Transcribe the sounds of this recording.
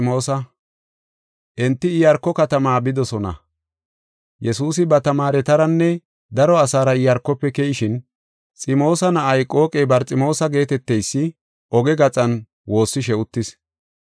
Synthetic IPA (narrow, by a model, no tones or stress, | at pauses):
ɪmo̞ːsɐ | ʔɛnt̪ːɪɪjɐɾkːɔkɐt̪ɐmaːbɪd̪ɔsɔnɐ̰ | jɛsuːsɪbɐt̪ɐmaːɾɛt̪ɐɾɐnːɛ | d̪ɐɾɔɐsaːɾɐɪjɐɾkːɔpːɛkɛjɪʃɪn | t͡sʼɪmo̞ːsɐnɐʔɐjkʼo̞ːkʼɛbɐɾt͡sʼɪmo̞ːsɐɡe̞ːt̪ɛt̪ːɛjsːɪ | ʔɔɡɛɡɐt͡sʼɐn | wo̞ːsːɪʃ̬ɛʊt̪ːɪs